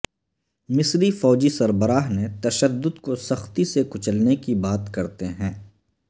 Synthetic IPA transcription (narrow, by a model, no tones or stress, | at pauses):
mɪsɾifɔːd͡ʒisɐɾbəɾaːɦnet̪ɐʃəd̪ːʊd̪kosɐxt̪isekʊt͡ʃəlnekibaːt̪kɐɾt̪eɦɛ̃ː